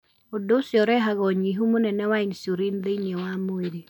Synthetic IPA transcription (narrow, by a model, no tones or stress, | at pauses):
odosjɔɾɛɦaɣɔɲiɦumonɛnɛwainsoɾinðeinjɔwamoeɾi